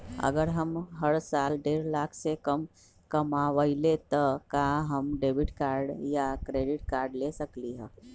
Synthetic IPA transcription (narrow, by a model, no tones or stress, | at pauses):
ə̰ɡəɾɦəmɦəɭsalɖeɾlaksekəm | kəmaʋəjlet̪əkaɦəmɖebiʈkaɾɖjakɾeɖiʈ̚kaɾɖlesəkliɦə